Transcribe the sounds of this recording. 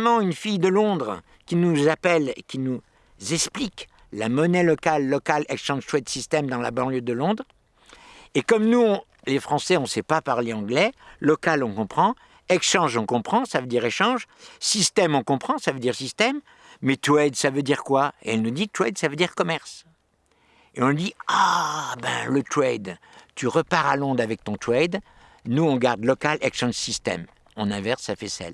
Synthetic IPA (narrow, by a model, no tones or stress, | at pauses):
mɑ̃ynfijd̪əlɔ̃d̪ʁ | kʲinuzapɛlḛkʲinu | zɛksplik | la̰mɔnɛlɔkalːɔkalɛkʃɑ̃ʒt̪wɛt̪sist̪ɛmd̪ɑ̃la̰bɑ̃ljød̪əlɔ̃d̪ʁ | ekɔmnu | lefχɑ̃sɛɔ̃sɛpapaʁleɑ̃ɡlɛlɔkalɔ̃kɔ̃pχɑ̃ | ɛkʃɑ̃ʒɔ̃kɔ̃pχɑ̃savød̪iʁeʃɑ̃ʒsist̪ɛmɔ̃kɔ̃pχɑ̃savød̪iʁsist̪ɛmː | ɛt̪ɛd̪savød̪iʁkwaḛɛlnud̪it̪wɛd̪savød̪iʁkɔmɛʁs | eɔ̃d̪iabɛ̰̃lət̪χɛd̪ | t̪yʁəpaʁalɔ̃d̪ʁavɛk̚t̪ɔ̃t̪χɛd̪ | nuɔ̃ɡaʁd̪lɔkalʔɛkʃɑ̃ʒsist̪ɛ̰m | ɔ̰̃nɛ̃vɛʁsːafɛsɛ̰l